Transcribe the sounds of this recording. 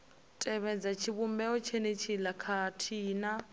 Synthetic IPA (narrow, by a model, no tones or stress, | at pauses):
tʼɛβɛd͡zat͡ʃʰiβumbɛɔt͡ʃʰenet͡ʃʰilakʰatʰiːna